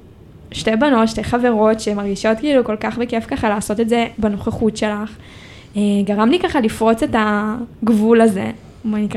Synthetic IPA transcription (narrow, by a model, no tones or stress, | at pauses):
ʃte̞jbano̞tʃte̞χave̞ʁo̞tʃemaʁɡiʃo̞tkiiluko̞lkaχbeke̞fkaχalaːso̞t̪etze̞bano̞χeχutʃe̞laχ | eɡaʁamlikaχalifʁo̞t͡se̞taɡvulaze̞̰ | manika